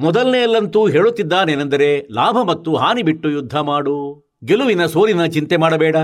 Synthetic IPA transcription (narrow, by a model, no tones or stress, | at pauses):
mɔd̪ɐlnejɐlːɐnt̪uːɦe̞ːɭut̪ːid̪ːaːneːnɐnd̪ɐɾe̞laːbʱɐmɐt̪ːuɦaːnibiʈːujud̪ʱːɐmaːɽu | ɡeluʋinɐso̞ːɾinɐt͡ʃint̪emaːɽɐbɛːɽɐ